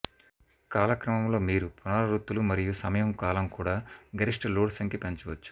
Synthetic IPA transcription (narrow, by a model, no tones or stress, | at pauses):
kaːlɐkɾɐmɐmlo̞ːmiːɾupunaːlɐɾut̪ːulumɐɾijusɐmɐjɐmkaːlɐmkuːɽaːɡɐɾiʂʈɐluːɽsɐŋkipɐɲt͡ʃuʋɐt͡ʃːu̥